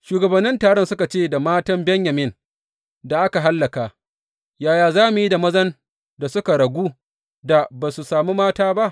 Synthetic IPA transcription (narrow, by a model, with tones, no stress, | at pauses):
ʃuː˨ɡɐ˨bɐ˨nːɪ˦ntaː˨ɽɔ˦nsʊ˦ka˨t͡ʃeː˦˨da˨maː˦tɐ˦mbɛ˦ɲjɐ˨mɪ˦n | da˨ʔa˦ka˨ɦa˦lːɐ˨kaː˨ | jaː˨jaː˨zaː˦mu˨ji˦da˨mɐ˦zɐ˦n | da˨sʊ˦ka˨ɽɐ˨ɡʷuː˦ | da˨baː˨su˨saː˨mu˦maː˦taː˦ba˦ʔ